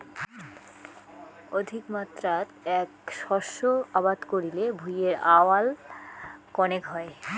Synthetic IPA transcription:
od̪ʱikmat̪ːɾat̪ɛkʃɔʃoabad̪koɾilebʱujeɾaoal | kɔneɡʱɔe

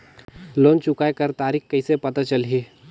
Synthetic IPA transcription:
loːnt͡ʃʊkaːekəɾt̪aːɾiːkkəɪsepɐt̪at͡ʃəlɦeː

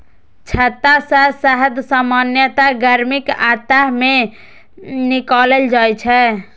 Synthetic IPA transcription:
t͡ʃʰət̪ːasasəɦəd̪samanjət̪aɡəɾmikat̪ame | nikaleld͡ʒajt͡ʃʰɛ

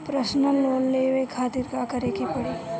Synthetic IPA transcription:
pɾəsnəloːnleːʋekʰaːt̪iɾkakəɾekipɐɽiː

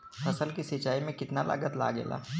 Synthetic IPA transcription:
ɐsəlkisɪt͡ʃaːimẽkɪt̪nala̰ːɡət̪la̰ːɡḛːla̰ː

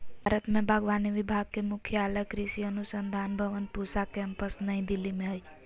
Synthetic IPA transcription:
bʱaɾət̪mebʱəɡʋaniʋibʱaɡ̚kemukʰjəaləkɾisiənusənd̪ʱanbʱəʋənpusakɛmpəsnəĩd̪ilːimeɦəj

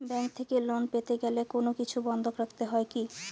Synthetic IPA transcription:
bɛŋk̚t̪ʰekelonpet̪eɡɛlekonokit͡ɕʰubɔnd̪ʱokɾakt̪eɦɔeki

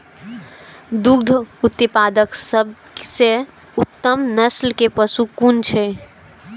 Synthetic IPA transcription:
d̪uɡd̪ʱut̪ːipad̪əksəb̚ | se | ut̪ːəmnəslkepəsukunt͡ʃʰɛ

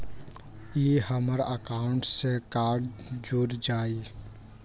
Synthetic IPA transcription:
ehəməɾəkaːʊɳʈsekaːɾɖd͡ʒuɾd͡ʒaːi

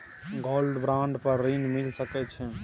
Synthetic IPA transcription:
ɡolɖbɾãɳɖpəɾːinmilsəkɛt͡ʃʰɛ

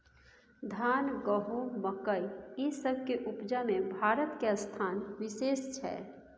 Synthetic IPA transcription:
d̪ʱaːnɡəɦoməkəiesəbʱkeʔupd͡ʒamẽbʱaːɾət̪keəst̪ʰaːnwɪseːst͡ʃʰɛ̰ː

